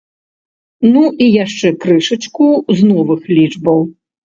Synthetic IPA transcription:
nuʔijaʂt͡ʂɛkɾɨʂɐt͡ʂkuznɔvɨxlʲid͡ʐbɐw

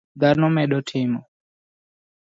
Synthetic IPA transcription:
d̪aɾnɔmɛɗɔtʰimɔ

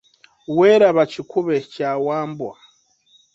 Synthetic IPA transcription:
weːɾaβacikuβe̞caːwaːmbwa

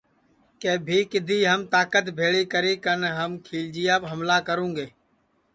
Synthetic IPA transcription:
keːbʱiːkɪd̪ʱiːɦəmt̪aːkət̪bʱeːɭiːkəɾiːkənɦəmkʰiːld͡ʒɪjaːpɦəmlaːkəɾũːŋɡeː

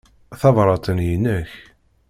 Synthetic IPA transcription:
θɑvɾˤɑt̪ˤənjənəç

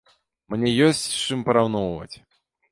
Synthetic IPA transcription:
mnʲɛjɔsʲt͡sʲt͡ʂɨmpɐɾawnɔwvɐ̰t͡sʲ

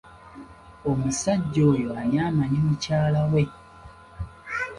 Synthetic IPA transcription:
o̞musaɟːo̞ːjo̞aɾjaːmaɲimucaːlawe̞

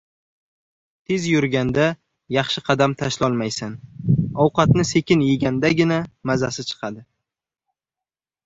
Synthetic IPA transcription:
t̪ʰezjʊɾɡʲand̪a | jɑχʃɪqʰɑd̪amt̪ʰaʃlɒlˠmajsanɒwqɑt̪nɪse̞kʲɪnjeɡʲand̪aɡʲɪnamazasɪt͡ʃʰɨ̥qʰɑd̪ɪ

